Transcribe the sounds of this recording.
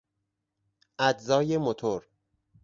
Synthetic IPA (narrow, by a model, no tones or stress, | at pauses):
ʔæd͡ʒzɒːjemot̪ʰoɾ